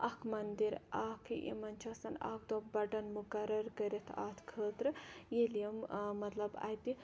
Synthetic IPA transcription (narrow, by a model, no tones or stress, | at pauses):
ʔɐkʰmɐnd̪iɾaːkʰɨḭmɐnʲt͡ʃʰɐsɐna̰ːk̚d̪obɐɖɐnmukɐɾɐɾkəɾit̪ʰa̰ːt̪ʰkʰəːt̪ɾɨjeljɐmmɐt̪lɐba̰ːjt̪i